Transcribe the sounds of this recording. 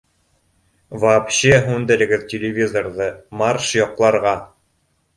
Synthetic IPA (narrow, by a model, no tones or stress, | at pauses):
vapɕeɦʉnd̪ɘ̆ɾɘ̆ɡɘðtʲɪlʲɪvʲizorðɤmɑrʃjɒqlˠɑɾʁɑ